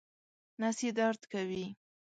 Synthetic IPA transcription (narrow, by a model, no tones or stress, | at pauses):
nasid̪ɑɾt̪kawi